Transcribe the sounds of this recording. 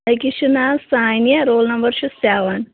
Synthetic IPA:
ikiʃunasaːjnjɐɾoːlnɐmbɐɾʃusaːʋɐn

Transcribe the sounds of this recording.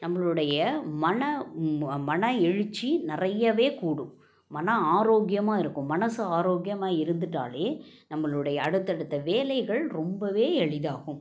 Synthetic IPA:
nɐmːɐɭɯɽɐjɐmɐnɐ | mɐnɐɛɻɯt͡ʃːinɪrɐjːɐʋeːkuːɽʊ̃ | mɐnɐaːɾoːɡjɐmaːɪɾɯkːʊ̃mɐnɐsɯaːɾoːɡɪjɐmaːɪɾɯnd̪ɯʈːa̰ːleːnɐmːɐɭɯɽɐjɐːɽɯt̪ːɐɽɯt̪ːɐʋeːlɐɪɣɐɭɾɔmbɐʋeːɛɻɪðaːɣɯ̃m

